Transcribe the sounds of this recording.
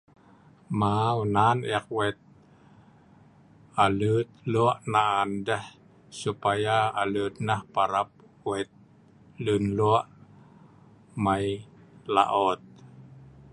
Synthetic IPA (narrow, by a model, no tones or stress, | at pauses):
mawnanɛk̚wɛt̪̚ | alut̪̚luaʔnaandəh | supajaːlut̪̚nahpaɾap̚ | wɛt̪̚ | lunluaʔ | majla̰ʔɔt̪̚